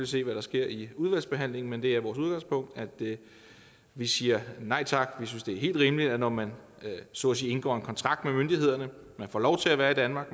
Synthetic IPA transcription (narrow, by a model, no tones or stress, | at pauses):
lise̝̰ːʋæɾ̥ɑ̈sɡ̥e̝ɐ̰iuð̞ˠʋæl̰sb̥e̝ɦæn̰le̝ŋn̩mend̥e̝æɐʋɒːsuðˠɡ̥ɑ̈ŋspʰɔ̽ŋ̰d̥æd̥ | ʋisiːɐnɑ̈ɪ̰t͡sʰɑ̈ɡ̥ʋis̬ynsd̥e̝æɐɦe̝̰ːldʁiːmlidnɒmæn | so̰ːsḭːe̝nɡ̥ɒ̰ːe̝nkʰɒ̽nt͡sʰʁɑ̈ɡ̥d̥memønd̥ie̝ð̞̰ˠɐnə | mænfɒ̰lɒʊt͡sʰe̝læʋæːɐid̥ænmɑ̈ːɡ̥